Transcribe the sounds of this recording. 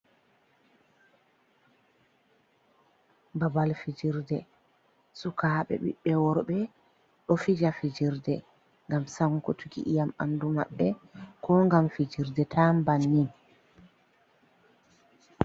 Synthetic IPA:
babalfid͡ʒiɾdɛ | sukaːɓɛ̰ɓḭɓːɛwɔɾɓɛ | ɗɔfid͡ʒafid͡ʒiɾdɛ | ŋɡamsaŋkɔtʰuɡḭʔijama̰nduma̰ɓːɛkʰɔŋɡamfid͡ʒiɾdɛtʰambanːin

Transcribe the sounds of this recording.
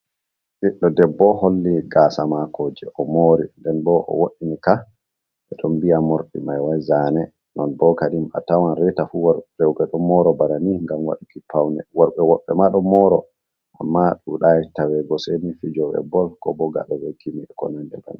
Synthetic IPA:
ʔiɗːɔdɛbːɔholːiɡaːsamakoːd͡ʒɛʔɔmoɾindɛnbɔʔɔ̰woɗinika | ɛɗɔmbiamoɾɗimajwajzanɛ | nɔnbɔkaɗima̰tawanɾɛtafuwaɾɛwɡɛɗɔmɔɾɔbaɾaniŋɡamwa̰ɗikipawnɛwɔɾɓɛwɔɓːɛmaɗɔmɔɾɔ | ʔamːaɗuɗajtawɛɡɔsɛmifid͡ʒɔwɛ̰bɔlkɔbɔɡa̰ɗɔwɛkʰimiɛkɔ̰nɛndɛba̰ni

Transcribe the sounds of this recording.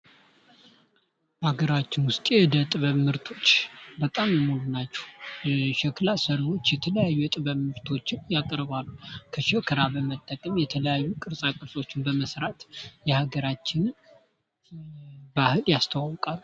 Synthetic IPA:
aɡəɾat͡ʃːɪnwʊst̪ʼejɛd̪ət̪ʼɨβəmɨɾt̪ʰo̞t͡ʃːbət̪ʼammulunat͡ʃːɛ̥hʃɛkʰlasəɾo̞t͡ʃːjɛt̪ʰələjajːujɛt̪ʼɨβəβɨɾt̪ʰo̞t͡ʃːɪnjakʼɾbalːukʰəʃɛkʰɨɾabəmət̪ʼːəkʼəmjɛt̪ʰələjajːukʼɨɾsʼakʼɨɾsʼo̞t͡ʃːɪnbəməsɾat̪jɛhaɡəɾat͡ʃːɪn | bahɨljast̪ʰəwawkʼalːu

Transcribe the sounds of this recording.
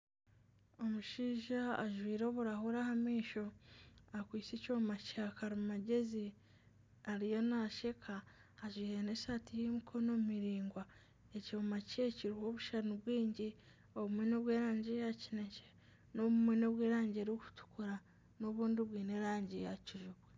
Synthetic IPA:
o̞muʃiːʒaaʒwiːɾo̞ːβuɾahuɾahamiːʃo̞akwiːt͡secoːmacakaɾimaɟe̞zi | aɾijo̞naʃe̞kʰaː | ʒwiːhene̞satijemikʰo̞no̞mumiɾiːŋɡwa | ecoːmaceciɾiho̞βuʃanuβwiːɲɟi | o̞βumwe̞no̞βweːɾaːɲɟejacinece | no̞βumwe̞no̞βweːɾaːɲɟeɾoku̥tu̥kuɾa | no̞βuːndiβwiːneɾaːɲɟejaciʒuβwe

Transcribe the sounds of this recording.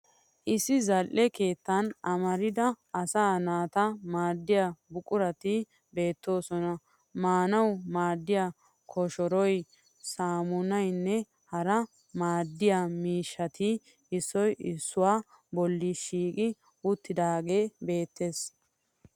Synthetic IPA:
ʔɪsːɪzɐlʔɛke̞ːt̪ːɐnɐmɐɾɪd̪ɐ | ɐsaːnaːt̪ɐmaːd̪ːɪjabʊkʼʊɾɐt̪ɪ | be̞ːt̪ːo̞ːsɔnɐ | maːnɐwmaːd̪ːɪja | kʰɔʃɔɾɔj | saːmʊnɐjnːɛ | hɐɾɐ | maːd̪ːɪjamiːʃːɐt̪ʰɪ | ɪsːɔjɪsːʊwaː | bɔlːɪʃiːkʼɪ | ʊt̪ːɪd̪aːɡe̞ːbe̞ːt̪ːe̞ːs

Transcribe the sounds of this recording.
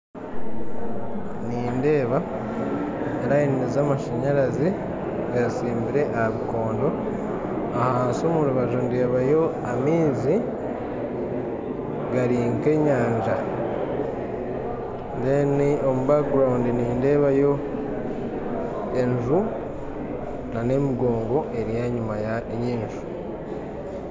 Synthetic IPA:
niːnde̞ːβa | eɾajininizamaʃaɲaɾazi | ɡaɾisiːmbiɾe̞ʔahaβiko̞ːndo̞ | ahaːnsomuɾuβaʒonde̞ːβajo̞ | amiːzi | ɡaɾiːŋke̞ːɲaːɲd͡ʒa | ndeniomuβakɡɾawundiniːnde̞ːβajo̞ | eɲʒu | nane̞miɡo̞ːŋɡo̞e̞ɾijaɲumajajiːnʒu̥

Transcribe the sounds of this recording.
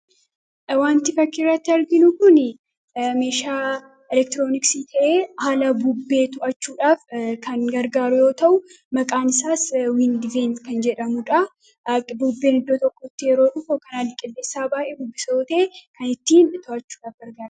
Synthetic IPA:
waːnt̪ɪfɐkːɪrːɐt̪ːɪɐɾɡɪnʊkʊn | me̞ːʃaː | ɛlɛk̚t̪ɾoːnɪksit̪ʰɐʔeːhaːlɐbubːe̞ːt̪ʊʔɐt͡ʃːuːᶑaːfkʰɐnɡɐɾɡaːɾʊjo̞ːt̪ɐʔʊ | mɐkʼaːnɪsaːswɪnd̪ɪvenkɐnd͡ʒɛᶑɐmʊᶑɐ | buːbːeːnɪd̪ːoːt̪ɔkːɔɪt̪ːɪjɛɾo̞ːᶑʊkːokɐnaːlːɪkʼɪlːe̞ːsːaːbaːʔebʊbːɪsɐɔt̪ɐeːkɐnɪt̪ːiːnt̪ʊʔɐt͡ʃːuːᶑaːfɡɐɾɡaːɾ

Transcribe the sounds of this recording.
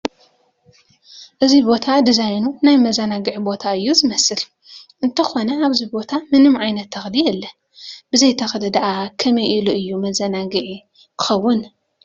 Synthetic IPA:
ʔɨzibo̞t̪ʰad̪izajnunajmɐzɐnaɡɨʕibo̞t̪ʰaɨjːuzɨmɐsɨl | ʔɨnt̪ʰɐxo̞nɐaβzibo̞t̪ʰamɨnɨmʕajnɐt̪ʰːɐxlijɛlːɐ | bɨzɐjt̪ʰɐxd̪ɨd̪aʔakʰɐmɐjʔiluʔɨjːumɐzɐnaɡɨʕi | kʰɨ̥xɐwːʊn

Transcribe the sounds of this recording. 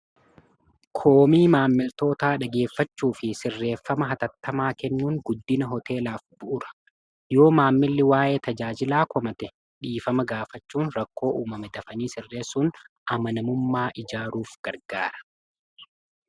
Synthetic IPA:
kʰo̞ːmiːmaːmːɪlt̪o̞ːt̪aːᶑɐɡe̞ːfːɐt͡ʃːuːfɪsɪrːe̞ːfːɐmɐɦɐt̪ɐt̪ːɐmaːkɛnːuːŋɡʊd̪ːɪnɐɦɔt̪ʰe̞ːlaːfb̥ʊʔʊɾɐ̥ | jo̞ːmaːmːɪlːɪwaːʔe̞ːt̪ɐd͡ʒaːd͡ʒɪlaːkɔmɐt̪ɛ | ᶑiːfɐmɐɡaːfɐt͡ʃːuːnɾɐkːo̞ːʔuːmɐmɛd̪ɐfɐniːsɪrːe̞ːsːuːn | ʔɐmɐnɐmʊmːaːʔɪd͡ʒaːɾuːfɡ̥ɐɾɡaːɾɐ̥

